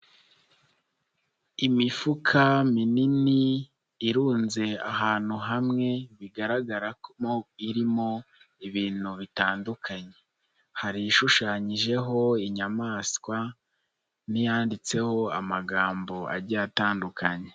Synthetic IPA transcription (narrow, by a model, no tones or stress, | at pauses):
imifukʰaminini | iɾuːnze̞aɦaːn̥huɦamŋe̞βiɡaɾaɡaɾakmoiɾimo̞ | iβiːn̥huβitaːndukʰaɲe̞ | haɾiiʃuʃaːɲiʒe̞ɦo̞iɲamaːskwa | nijaːndit͡se̞ho̞amaɡaːmbo̞a̰ɾɟaːtaːndukʰaɲe̞